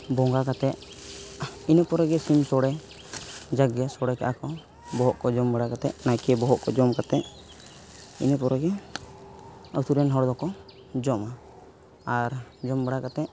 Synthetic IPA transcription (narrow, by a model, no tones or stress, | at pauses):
bɔŋɡakat̪ɛʔ̪̚ | inəpɔɾɛɡɛsimsɔɽɛ | d͡ʒaɡɛjasɔɽɛkaʔakɔ | bɔɦɔʔkɔd͡ʒɔmbəɽakat̪ɛ̰ʔnajkɛbɔɦɔʔkɔd͡ʒɔmkat̪ɛʔ̚ | ḭnɛpɔɾɛɡɛ | awt̪uɾɛnɦɔɽd̪ɔkɔ | d͡ʒɔma | aɾd͡ʒɔmbəɽakat̪ɛʔ